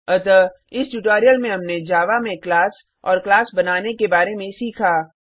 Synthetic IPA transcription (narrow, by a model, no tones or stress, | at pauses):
ɐt̪ə | ɪsʈuʈoːɾijəlmẽɦɐmned͡ʒaːʋamẽklaːs | ɔ̰ːɾklaːsbɐnaːnekebaːɾemẽsiːkʰaː